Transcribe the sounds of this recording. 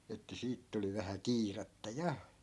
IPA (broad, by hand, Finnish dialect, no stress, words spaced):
etːæ siːt tuli ʋæhæ kiːrɑtːɑ jɑ